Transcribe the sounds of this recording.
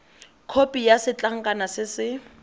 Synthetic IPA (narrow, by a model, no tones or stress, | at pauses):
kʰopʼijasɪt͡ɬʼaŋ̩kʼanasɪsɪ